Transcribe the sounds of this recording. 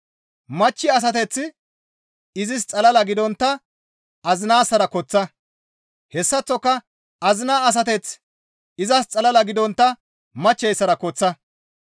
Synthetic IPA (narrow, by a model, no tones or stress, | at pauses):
mɐt͡ʃːɪɐs̬ɐt̪ɛt͡sːɪ | ɪzɪst͡sʼɐlɐlɐɡɪd̪ɔnt̪ːɐ | ɐzɪnaːsːɐɾɐkɔt͡sːɐ | hɛsːɐt͡sːɔkːɐ | ɐzɪnaːɐs̬ɐt̪ɛt͡s | ɪzɐst͡sʼɐlɐlɐɡɪd̪ɔnt̪ːɐ | mɐt͡ʃːɛjsːɐɾɐkɔt͡sːɐ